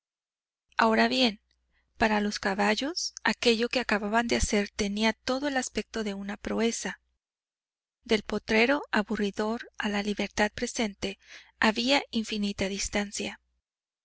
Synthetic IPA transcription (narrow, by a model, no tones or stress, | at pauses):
ao̞ɾaβje̞n | paɾalo̞skaβaʝo̞sake̞ʝo̞ke̞akaβaβand̪ease̞ɾt̪e̞niat̪o̞ðo̞e̞laspe̞k̚t̪o̞ðe̞unapɾoe̞sa | d̪e̞lpo̞t̪ɾe̞ɾo̞aβuriðo̞ɾalaliβe̞ɾt̪að̚pɾe̞se̞nt̪e̞aβiaʔiɱfinit̪aðist̪ansja